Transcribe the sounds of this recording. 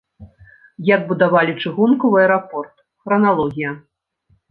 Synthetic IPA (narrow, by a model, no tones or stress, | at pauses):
jad̪̚bud̪avalʲit͡ʂɨɣunkɔvɨɐɛɾapɔrt̪ | xɾɐnalˠɔɣʲijɐ